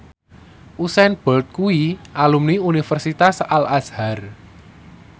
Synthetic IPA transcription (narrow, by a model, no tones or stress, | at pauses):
ʔusɛnb̥ɔlt̪̚kuiʔalumniunifərsit̪asalashar